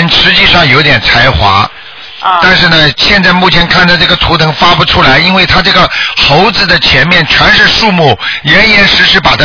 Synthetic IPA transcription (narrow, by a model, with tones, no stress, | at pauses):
nʂɻ̩˧˥t͡ɕi˥˧ʂɑ˥˩ŋjo˧˥ʊt̪jɛ˨˩nt͡sʰa˧˥ɪxwa̰˧˥ | t̪a˥˧nʂ̬ɻ̩˥˩nə˩ɕjɛ˥˧nt͡sa˥˧ɪmu˥˩t͡ɕʰjɛ˧˥nkʰa˥˩nd̪ə˩ʈ͡ʂɤ˥˩ɡə˩t̪ʰu˧˥t̪ʰɤ˧˥ŋfa˥pu˥˩ʈ͡ʂʰu˥la˧˥ɪi˥nwe˥˩ɪt̪ʰa˥ʈ͡ʂɤ˥˩ɡə˩xo˧˥ʊd͡zɹ̩˧˩d̪ə˩t͡ɕʰjɛ˧˥nmjɛ˥˩nʈ͡ʂʰwa˧˥nʂɻ̩˥˧ʂu˥˧mu˥˩jɛ˧˥njɛ˧˥nʂɻ̩˧˥ʂɻ̩˥˩pa˨˩t̪ʰa˥